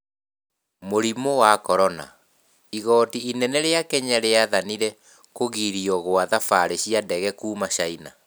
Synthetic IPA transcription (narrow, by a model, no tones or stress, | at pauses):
moɾimowakɔɾɔna̰ | iɣɔːtiinɛnɛɾeakɛɲaɾeaðaniɾɛ | koɣiɾiɔɣoaðafaɾeɕiadɛɣɛkuːmaɕaina̰